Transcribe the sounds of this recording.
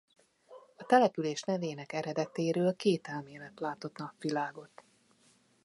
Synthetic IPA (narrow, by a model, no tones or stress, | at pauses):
ɒt̪ɛlɛpyleːʃnɛveːnɛkɛɾɛd̪ɛt̪eːɾøːlkeːt̪ɛlmeːlɛt̪laːt̪o̞t̪nɒpʋilaːɡo̞t̪